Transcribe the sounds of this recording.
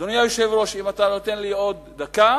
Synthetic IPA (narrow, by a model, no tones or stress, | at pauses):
d̥onjajoʃevɾo̞ʃimat̪anot̪e̞nlio̞d̪̚ːaka